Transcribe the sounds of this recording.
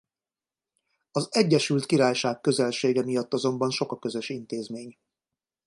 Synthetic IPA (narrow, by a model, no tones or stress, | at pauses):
ɒzɛɟːɛʃylt̪kiɾaːjʃaːkkø̞zɛlʃeːɡɛmijɒt̪ːɒzo̞mbɒnʃo̞kɒkø̞zø̞ʃint̪eːzmeːɲ